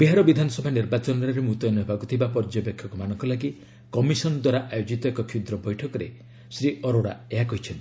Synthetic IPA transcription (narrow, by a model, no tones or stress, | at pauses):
biɦaɾɔbid̪ʱanɔsɔbʱaniɾbat͡ʃɔnɔɾeɾemut̪ɔjnɔɦebakut̪ʰibapɔɾd͡ʒɔbekʰjɔkɔmanɔŋkɔlaɡi | kɔmisɔnɔd̪waɾaʔajod͡ʒit̪ɔekɔkʰiud̪ɾɔbɔjʈʰɔkɔɾe | sɾiɔɾoɽa̰eɦakɔɦit͡ʃʰɔnt̪ii̥